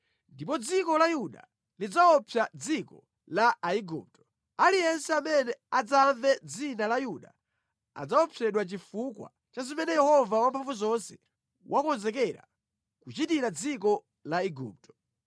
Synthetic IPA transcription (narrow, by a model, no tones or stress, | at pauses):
ndipɔd͡zikɔlajuɗa̰ | lid͡zaɔpʰjad͡zikɔ̰ | laaiɡṵp̚tɔ̥ | alijɛnsɛamɛnɛad͡zaɱvɛd͡zinalajuɗa | a̰d͡zaɔpʰjɛɗwat͡ʃifukwa̰ | t͡ʃazimɛnɛjɛhɔvawampʰaɱvuzɔnsɛ̥ | wʔakɔnzɛk̬ɛɾa̰ | kut͡ʃitiɾad͡zikɔ | laiɡṵːp̚tɔ̥